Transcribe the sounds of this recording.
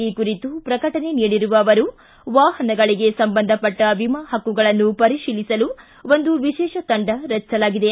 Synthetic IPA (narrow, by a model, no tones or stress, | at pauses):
iːkuɾit̪upɾɐkɐʈɐne̞niːɽiɾuʋɐːʋɐɾu | ʋaːɦɐnɐɡɐɭiɡe̞sɐmbɐnd̪ʱɐpɐʈːɐʋimɐhɐkːuɡɐɭɐnːupɐɾiʃiːlisɐlu | o̞nd̪uʋiʃɛːʃɐt̪ɐɳɖɐɾɐt͡ʃːsɐlaːɡid̪e